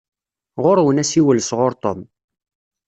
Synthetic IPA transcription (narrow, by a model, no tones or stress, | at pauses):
ʁʊɾwənæsiwəlsʁʊɾt̪ˤom